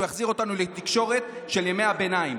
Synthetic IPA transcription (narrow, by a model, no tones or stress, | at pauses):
jaχziʁo̞t̪anulet̪ikʃo̞ʁe̞t̪ | ʃe̞ljemeabe̞naim